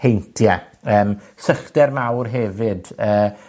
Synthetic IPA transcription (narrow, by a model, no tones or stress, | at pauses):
hejntʰja | əːm | səχd̥ɛrmawrɦɛvɨdəː